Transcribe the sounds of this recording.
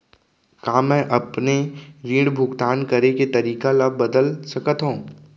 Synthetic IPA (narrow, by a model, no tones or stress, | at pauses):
kaːmɛ̃ːʔɐpneɾĩːɽbʱʊɡt̪aːnkɐɾeket̪ɐɾiːkalɐbbɐd̪əlsɐkət̪ɦõː